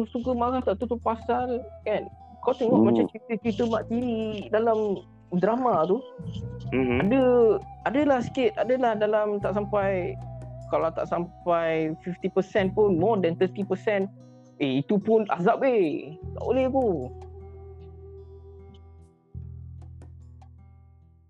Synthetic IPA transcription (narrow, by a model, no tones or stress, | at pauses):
usukəmaɾaht̪aʔt̪ut̪upasalkɛn | kat̪eŋɔʔmat͡ʃamt͡ʃɾit̪ət͡ʃɾit̪əmaʔt̪iɾidalam | dɾamat̪u | adəadəlahsə̥kɪt̪̚adəlahdalamt̪aʔsampajkalat̪a̰ʔsampajfift̪ipəsɛnpʊnmɔdɛnt̪ət̪ipəsɛn | eit̪upʊna̰zapet̪a̰ʔolɛht̪u